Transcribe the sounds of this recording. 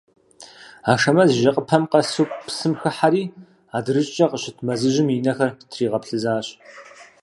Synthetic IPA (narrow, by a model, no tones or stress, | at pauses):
aːʂɐmɐzʒɐqʼəpʰɐmqɐsukʷpsɨmxɨħaɾiː | aːdrɨɕʼt͡ʃʼɐqəɕɪtʰmɐzɨʑɪminɐxɐrtʰriːʁɐpɬɨzaːɕ